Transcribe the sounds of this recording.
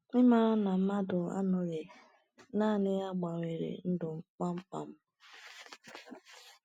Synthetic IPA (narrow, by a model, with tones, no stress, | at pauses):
ɪ˦ma˦ɾa˦na˨m̩˦ma˦dʊ˨a̰˦nʊ˨ɾe˨ | na˦˨nɪ˦ja˦ɡ͡ba˨we˨ɾḛ˨n̩˦dʊ˨ŋ͡m̩˦˨˦k͡pa˦ŋ͡m̩˦k͡pa̰˨m̩˦